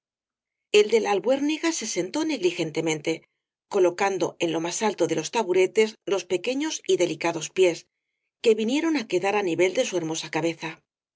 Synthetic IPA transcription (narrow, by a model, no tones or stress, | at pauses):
e̞ld̪e̞lalβwe̞ɾniɣase̞se̞nt̪o̞ne̞ɣlixe̞nt̪e̞mẽ̞nt̪e̞ | ko̞lo̞kand̪o̞̰e̞nlo̞masalt̪o̞ðe̞lo̞st̪aβuɾe̞t̪e̞zlo̞spe̞ke̞ɲo̞siðe̞likaðo̞spje̞s | ke̞βinje̞ɾo̞nake̞ðaɾaniβe̞ld̪e̞sue̞ɾmo̞sakaβe̞θa